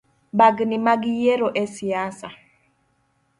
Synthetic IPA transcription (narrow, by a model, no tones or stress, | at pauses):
baɡnimaɡijeɾoʔesiasa